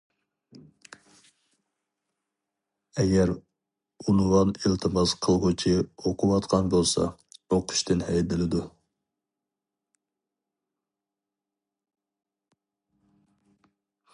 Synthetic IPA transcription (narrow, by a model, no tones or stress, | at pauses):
ɛɡʲɛɾ | unwɑnilt̪ʰɨmɑsqʰəlˠʁʊt͡ʃʰɪoqʰʊwɑt̪qʰɑnbolˠsɑ̰oqʰʊ̥ʃt̪ɨnhɛjd̪ɪlɪd̪u